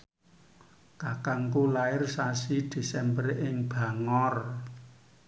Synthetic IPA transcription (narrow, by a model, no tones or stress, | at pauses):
kakaŋkulaɪrsasid̪̥e̤sɛmbərʔɪŋb̥a̤ŋɔr